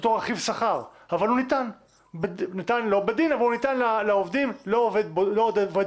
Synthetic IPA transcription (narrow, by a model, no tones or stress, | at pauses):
et̪oʁaχivsaχaʁ | avalunit̪an | benit̪anlo̞bed̪inavalunit̪anlaleovd̪imloːved̪blod̪ove